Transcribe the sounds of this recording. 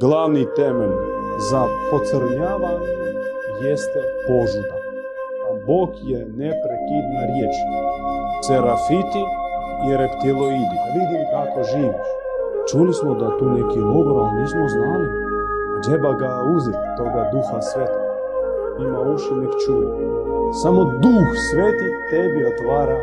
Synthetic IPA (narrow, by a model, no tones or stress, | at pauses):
ɡlˠaʋnit̪emeʎzapot̪səɾɲaːʋaɲejest̪ɛpozid̪a | aboːkjenepɾekid̪naɾjet͡ʃ | t̪seɾafit̪i | iɾept̪iloid̪ialuːd̪iit̪akoʒiːʋiu | t͡ʃulismod̪at̪unɛkiloboɾanismoznali | t̪ebaɡauzɛt̪t̪oɡad̪uxasʋet̪oɡa | imauʃɛnikt͡ʃuɛ | samod̪uxsʋet̪it̪ɛbiot̪ʋaːɾa